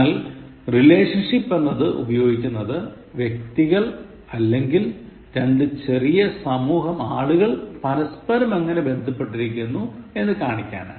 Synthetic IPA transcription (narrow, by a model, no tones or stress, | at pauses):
il | rile̞ːʂɐnʂipːe̞nːɐðɨʔṵbɐjo̞ːɡikʲːunːɐðɨ | ʋjek̚t̪iɣɐɭ | ɐlːe̞ŋɡil | ɾɐɳɖɨt͡ɕe̞rijɐsɐmuːɦɐmaːɭuɣɐɭpɐɾɐspɐɾɐmɐŋːɐne̞be̞nd̪ʱɐpːe̞ʈːiɾikʲːunːue̞nːɨkaːɳikʲːa̰ːɳɨ̰